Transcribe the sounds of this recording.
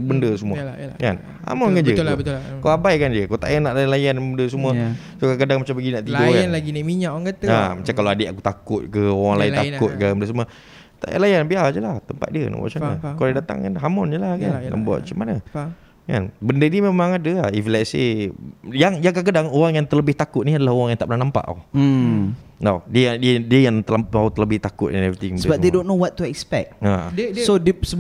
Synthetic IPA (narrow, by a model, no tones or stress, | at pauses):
bəndəsumuəkan | ha̰mʊnkand͡ʒəəkaabajkand͡ʒiəkat̪a̰ʔənaʔlanlajanbəndəs̬umuə | sokakədaŋmat͡ʃampəɡinaʔt̪idokanlaɡinimiɲaʔoaŋkat̪əamat͡ʃamkaloadeʔakut̪akʊt̪̚kəoɣaŋlaint̪akʊt̪̚kəməndəsumua | t̪a̰ʔja̰ʔlajanbiad͡ʒəlaht̪əmpa̰t̪̚diə̰na̰ʔb̰a̰ʔt͡ʃana̰koladat̪a̰ŋkanɦamʊnd͡ʒəlahkanna̰ʔbua̰ʔ̪t͡ʃəmana | ka̰nbəndənimemãŋadəaiflɛtsḛ | jaŋjaŋkak̬ədaŋoɣaŋjaŋt̪ələbɪht̪akʊt̪̚niadalahoɣaŋjaŋt̪aʔpbənanampa̰ʔa̰ | nawdiəjaŋdiədiəjaŋt̪əlaaut̪ələbɪht̪akʊt̪ɛnɛvit̪iŋməbadedonːowɔt̪ːuɛkspɛ̰k̚asodsə